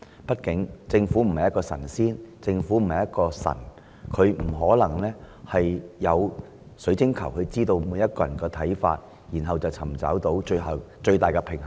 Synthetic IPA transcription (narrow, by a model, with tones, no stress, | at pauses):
pɐ˥t̚kɪ˨˥ŋt͡sɪ˧ŋfuː˨˥m̩˨˩hɐ˨˩jɐ˥kːɔː˧sɐ̰˨˩nsiː˥nt͡sɪ˧ŋfuː˨˥m̩˨˩hɐ˨˩jɐ˥t̚kɔː˧sɐ̰˨˩n | kʰɵ˨˧ɥm̩˨˩ɦɔː˨˥lɐ˨˩ŋlɛː˥ | hɐ˨jjɐ˨˧w | sɵ˨˥t͡sɪ˥ŋkʰɐ˨˩whʰɵ˨˧ɥt͡siː˥t̪o˧wmuː˨˧jɐ˥t̚kɔː˧jɐ˨˩nkɛː˧t̪ʰɐ˨˥jfa̰ː˧t̚ | ji˨˩nɦɐ˨wt͡sɐ˨wt͡sʰɐ˨˩mt͡sɐ̰ː˨˥wt̪o˨˥wt͡ʃɵ˧ɦɐ˨wt͡ʃɵ˧ɥt̪aː˨jkɛ˧pʰɪ˨˩ŋɦ